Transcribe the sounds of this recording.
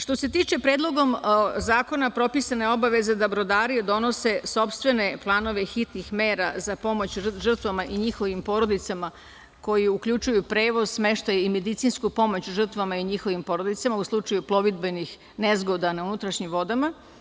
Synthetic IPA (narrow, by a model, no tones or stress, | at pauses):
ʂt̪ose̞t̪iːt͡ʃe̞pɾe̞ːd̪lˠo̞ɡo̞mzaːko̞napɾo̞pisane̞o̞baʋe̞zed̪obɾo̞d̪aːɾied̪o̞no̞se̞so̞pst̪ʋe̞ne̞plˠaːno̞ʋexit̪nixme̞ːɾa̰zapo̞mo̞t͡ɕʒr̩t̪ʋamaʔiɲixo̞ʋimpo̞ɾo̞d̪it̪sama | ko̞jiukʎut͡ʃujupɾe̞ːʋo̞zsme̞ʃt̪ajeime̞d̪it̪sinskupo̞mo̞t͡ɕuʒr̩t̪ʋamaiɲixo̞ʋimpo̞ɾo̞d̪it̪samauslˠut͡ʃajuplˠo̞ʋid̪̚benix | nezɡo̞d̪anaunut̪ɾaʃɲimʋo̞d̪ama